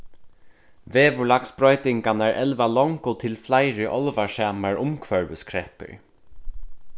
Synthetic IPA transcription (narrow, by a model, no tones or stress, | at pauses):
ʋeːʋʊlaksb̥ɾɔʏt̪ɪŋkanæɹʔɛlʋalɔŋkʊt̪ʰɪlflajɾɪʔɔlʋaʃæːmaɹʔʊmkʰvœɹʋəskʰɹɛpə̰ɹ